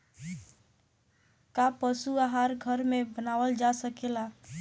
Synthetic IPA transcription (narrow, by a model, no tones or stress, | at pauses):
kapəsuaɦaɾɡʱəɾmebənawəld͡ʒasəkela